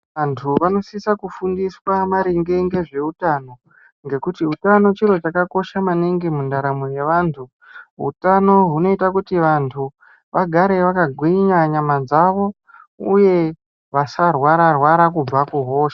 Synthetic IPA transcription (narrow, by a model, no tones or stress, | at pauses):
ʋantʰuʋano̞sisakufundiswamaɾiŋɡe̞ŋɡe̞ʐe̞utano̞ | ŋɡe̞kutiutano̞t͡ʃiɾo̞t͡ʃakako̞ʃamaneŋɡemundaɾamoje̞ʋaːntʰu | ɦṵtano̞ɦuno̞itakutiʋantʰu | ʋaɡʱaɾe̞ʋakaɡʱwiɲaɲamad͡zaʋo̞ | uje̞ | ʋasarwaɾarwaɾakub͡vakuɦo̞ːʃḁ